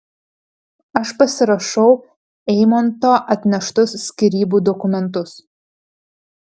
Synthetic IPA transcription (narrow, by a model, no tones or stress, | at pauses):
ɐʃpɐsʲɪɾɐʃɐʊ | ɛɪmɐnt̪oːʔɐt̪ʲnʲɛʃt̪ʊsːʲkʲiɾʲiːbuːd̪ɔkʊmʲɛnt̪ʊs